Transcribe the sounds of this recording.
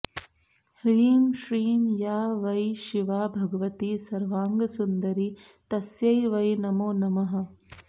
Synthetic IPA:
hɾiːmʃɾiːmjaːʋɐjʃiʋaːbʱɐɡɐʋɐt̪iːsɐɾʋaːŋɡɐsund̪ɐɾi | t̪ɐsjɐjʋɐjnɐmoːnɐmɐɦɐ̆

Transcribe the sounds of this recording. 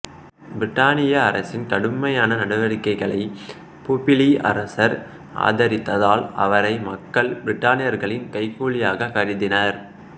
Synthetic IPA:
bɾɪʈːaːnɪjɐːɾɐsɪnkɐɽɯmɐjaːnɐnɐɽɐʋɐɾɪkːɐɪɣɐɭɐɪ | puːpɪliʔɐ̰ɾɐsɐɾ | ʔa̰ːðɐɾɪt̪ːɐðaːlɐ̰ʋɐɾɐɪmɐkːɐɭbɪɾɪʈːaːnɪjɐɾɣɐɭɪnkɐɪkːuːɭɪjaːɣɐkɐɾɪðɪnɐɾ

